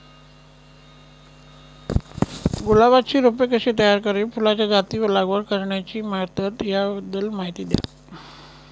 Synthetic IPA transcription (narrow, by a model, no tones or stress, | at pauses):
ɡulaʋat͡ɕiːɾopekəɕeːt̪əjaɾkəɾifulat͡ɕjad͡zat̪iʋəlaɡʋəɾkəɾɳjat͡ɕiːmaɾt̪ət̪jaəd̪əlmaɦit̪iːd̪ja̰